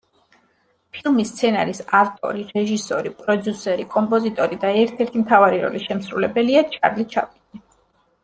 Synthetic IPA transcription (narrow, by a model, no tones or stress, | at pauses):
pʰilˠmist̪sʰɛna̰ɾisaft̪ʼɔ̰ɾiɾɛʒisɔɾipʼɾɔd̪jusɛɾikʼɔmpʼɔzit̪ʼɔɾid̪aɛɾt̪ʰɛɾt̪ʰimt̪ʰavaɾiɾɔ̰liʃɛmsɾulɛbɛliat͡ʃʰa̰ɾlit͡ʃʰa̰pʼid̪ni